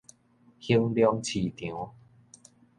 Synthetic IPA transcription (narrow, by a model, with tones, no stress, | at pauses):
hi˦˧əŋljɔ˧ŋt͡ɕʰi˨t̪jõ˨˦